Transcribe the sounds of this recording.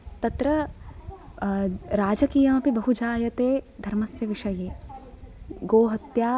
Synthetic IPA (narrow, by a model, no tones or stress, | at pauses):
t̪ɐt̪ɾɐ | ɾaːd͡ʒɐkijɐmɐpibɐɦud͡ʒaːjɐt̪eːd̪ʱɐɾmɐsjɐʋɪʃɐjeː | ɡoːɦɐt̪jaː